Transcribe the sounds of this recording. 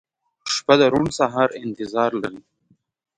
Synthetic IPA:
ʃpad̪əɾuɳsaɦɑɾɪnt̪ɪzɑːɾla̰ɾi

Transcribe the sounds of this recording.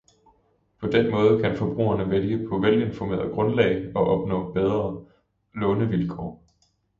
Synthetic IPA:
pʰɒ̽d̥enmɔ̽ːð̞ˠəkʰænfɒ̽b̥ʁṵːɐnəʋeljəpʰɒ̽ʋelje̝nfɒme̝̰ːɐðˠɡ̥ʁɔ̽nlɛ̰ɪɒ̽ʔɒ̽b̥nɔ̰̽ːb̥eð̞ˠʁɐ | lɔ̽ːnəʋilkʰɒ̰ː

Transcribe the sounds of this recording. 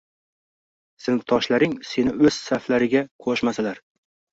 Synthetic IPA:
sɪnɪft̪ʰɒʃlaɾɪŋse̞nɪɵz̥saflaɾɪɡʲaqʰoʃmasalaɾ

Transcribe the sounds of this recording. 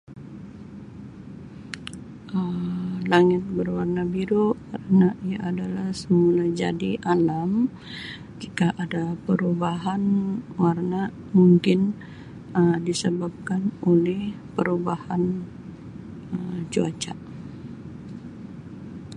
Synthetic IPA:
əlaŋɪt̪̚bərwarnabiɾokaɾənaʔijaʔːdalahsəmulad͡ʒa̰diʔalam | d͡ʒikaʔadapəɾubaɦanwarna | muŋkɪn | ədisəbap̚kanolɛh | pəɾubahan | əd͡ʒuat͡ʃaʔ

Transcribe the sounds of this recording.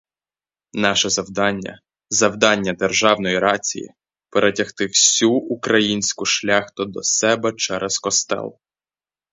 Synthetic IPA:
nɑʃɛzɐwd̪ɑnʲːɐ̰ | zɐwd̪ɑnʲːɐd̪erʒɑwnɔjiɾɑt͡sʲḭjḭ | peɾʔetʲɐxt̪ɪwsʲuukɾɐjinʲsʲkʊʃlʲaxt̪ʊd̪ɔsɛbɛt͡ʃɛɾʔɛz̥kɔst̪ɛ̰lˠ

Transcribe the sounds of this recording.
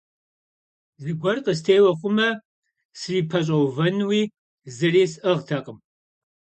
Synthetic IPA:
zɨɡʷɔrqəs̬tʰeːwɐχʷʊmɐ | sɨriːpʰɐɕ̬ʼɐwvɐnwiː | zɨriːsʔɐʁtʰɐqʼəm

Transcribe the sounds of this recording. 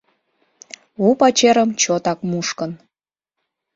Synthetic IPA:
upɑt͡ɕeɾəmt͡ɕot̪ɑkmuʃkən

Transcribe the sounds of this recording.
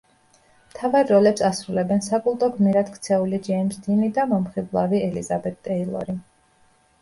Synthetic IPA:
mt̪ʰavaɾːɔlɛpsasɾulɛbɛnsakʼulˠt̪ʼɔɡmiɾat̪kʰt̪sʰɛulid͡ʒɛmsd̪inid̪amɔmχiblˠaviɛlḭzabɛt̪̚t̪ʼɛilˠɔ̰ɾi

